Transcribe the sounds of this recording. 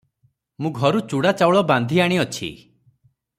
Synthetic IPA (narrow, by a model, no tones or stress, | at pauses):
mũɡʱɔɾut͡ʃuɽat͡ʃawɭɔband̪ʱiaɽ̃iɔt͡ʃʰḭ